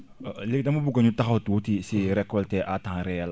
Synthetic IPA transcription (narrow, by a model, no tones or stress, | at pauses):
lekitãmobukaɲũtaxaotutiseɾɛkɔltɛʔatãɾɛjɛla